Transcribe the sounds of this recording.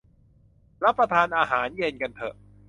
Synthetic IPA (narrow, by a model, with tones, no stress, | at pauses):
ɾa˦˥pːɾa˧t̪ʰaː˧nʔaː˧ɦaː˩˦nje˧nka˧nt̪ʰɤ̰˨˩ʔ